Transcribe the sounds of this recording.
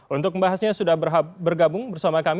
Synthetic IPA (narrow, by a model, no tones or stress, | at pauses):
ʔunt̪ʊk̚məmbaɦasɲasudahbərɦabərɡabʊŋbərsamakam